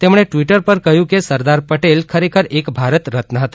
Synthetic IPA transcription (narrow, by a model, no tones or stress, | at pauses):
t̪emɽ̃eʈʋiʈəɾpəɾkəɦjũkesəɾd̪aɾpəʈelkʰəɾekʰəɾekbʱaɾət̪ɾət̪nəɦət̪ḁ